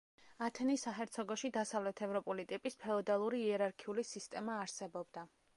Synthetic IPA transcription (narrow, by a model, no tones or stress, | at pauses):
at̪ʰɛnisaɦɛɾt̪sʰɔɡɔʃid̪asavlɛt̪ʰɛvɾɔpʼulit̪ʼipʼispʰɛɔd̪alˠuɾiːɛɾaɾkʰiulisist̪ʼɛmaːɾsɛbɔbd̪a